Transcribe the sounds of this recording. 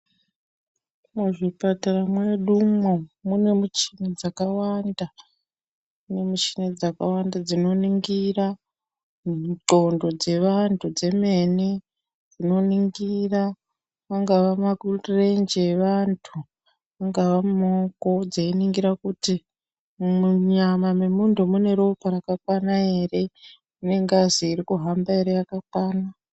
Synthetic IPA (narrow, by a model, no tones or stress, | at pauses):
muʐipataramwe̞ɗumomune̞mut͡ʃi̥ned͡zakawanda | une̞mut͡ʃined͡zakawandad͡zino̞niŋɡira | ǃo̞ndo̞d͡ze̞ʋantʰud͡ze̞me̞ne | d͡zino̞niŋɡira | ʋaŋɡaʋamaɡutrend͡ʒeʋantʰu | ʋaŋɡaʋamoko̞d͡zeiniŋɡiɾakuti | muɲamamemundʱomune̞ɾopaɾakakwanae̞re̞ | une̞ŋɡaziːɾikuɦambae̞ɾe̞jakakwaːna